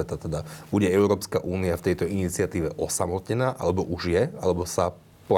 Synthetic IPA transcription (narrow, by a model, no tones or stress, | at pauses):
ɛt̪at̪ɛd̪abuɟɛɛʊɾɔːpskaʔuːniaft̪ɛjt̪ɔinit͡sɪat̪iːʋɛʔɔsamɔt̪ɲɛnaːʔa̰lɛbɔʔuʒjɛalɛbɔsa | pl